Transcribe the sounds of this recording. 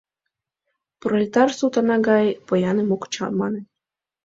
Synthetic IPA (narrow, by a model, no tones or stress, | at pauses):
prolʲit̪ɑrsut̪ɑnɑɡɑjpɤjɑnemokt͡ɕɑ̰nmɑnĕ